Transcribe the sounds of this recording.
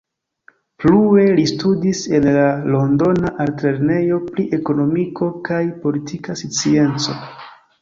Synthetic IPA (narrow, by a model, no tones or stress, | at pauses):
plue̞listudise̞nlalo̞ndo̞naʔaltɾe̞ɾne̞jo̞pliʔe̞ko̞no̞miko̞kajpo̞litʰikasit͡sie̞nt͡so̞